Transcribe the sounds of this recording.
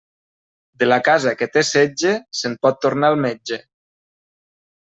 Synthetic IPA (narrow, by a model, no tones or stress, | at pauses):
d̪elakazaket̪esed͡ʒesempɔt̪ːoɾnaːlˠmed͡ʒe